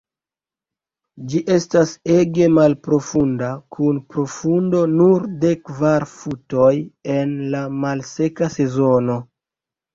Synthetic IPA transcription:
d͡ʒiʔe̞stase̞ɡe̞malpɾo̞fundakʰunpɾo̞fundo̞nuɾde̞kvaɾfuto̞je̞nlamalse̞kase̞zo̞no̞

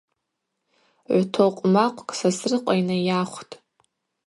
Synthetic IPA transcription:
ʕʷtʰoqʷʼmaqʷʼkʼsasrɨqʷʼainajaχʷtʼ

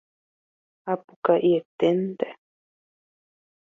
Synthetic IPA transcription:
apukaʔiet̪ent̪e̥

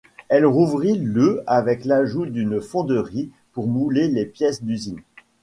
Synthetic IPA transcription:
ɛlʁuvʁiløavɛklaʒud̪ynfɔ̃d̪əʁi | puʁmulelepjɛsd̪yzin

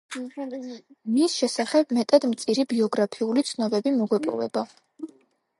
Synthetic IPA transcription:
misʃɛsaχɛb̚mɛt̪ʼad̪mt̪sʼiɾibiɔɡɾapʰiulit̪sʰnɔbɛbimɔɡwɛpʼɔ̰vɛ̰ba

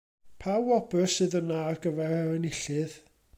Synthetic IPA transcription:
pʰawɔbəsɨðəmnarɡəvɛraənɪɬɨð

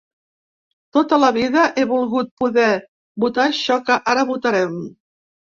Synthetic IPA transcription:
t̪ot̪əlɐβiðəʔeβulˠɣut̪̚puðɛ | but̪aɕɔkəʔaɾəβut̪aɾɛm

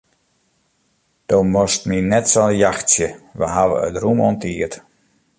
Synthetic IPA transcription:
d̥omɔstminɛtsɔnəjaxtsjəʋə̰ɦaʋə̰ə̰trumɔntʰiət

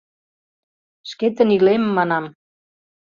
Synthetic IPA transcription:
ʃket̪ə̆nilemːɑnɑm

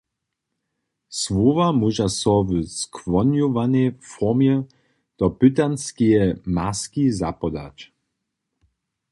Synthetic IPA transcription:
svovamuʒasɔvəskvɔnjuvanefɔʁmjɛ | d̪̥ɔpyt̪anskijɛmaskizapɔd̪a̰t͡ɕ

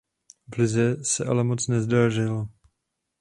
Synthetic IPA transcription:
vlɪzɛsɛʔa̰lɛmo̞t͡snɛzdaʒɪlo

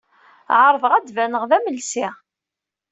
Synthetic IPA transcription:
ʕəɾˤvəʁæd̪vænəʁðæməlsi

